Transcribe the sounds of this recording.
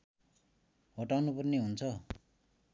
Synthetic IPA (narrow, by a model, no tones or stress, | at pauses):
ɦʌʈawnupʌrneɦunt͡sʰʌ